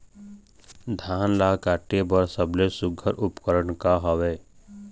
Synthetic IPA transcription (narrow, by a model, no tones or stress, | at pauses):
d̪ʱaːnlaːkaːʈːebəɾsəblesʊɡʱəɾʔʊpkəɾəɳkaɦɔʋeː